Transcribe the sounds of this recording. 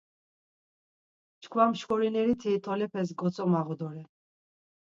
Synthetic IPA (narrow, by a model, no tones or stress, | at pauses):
t͡ʃkʰwamʃkɔɾinɛɾit̪ʰiːt̪ʰɔlɛpʰɛs̬ɡɔsʰʼɔmaʁɔd̪ɔɾɛ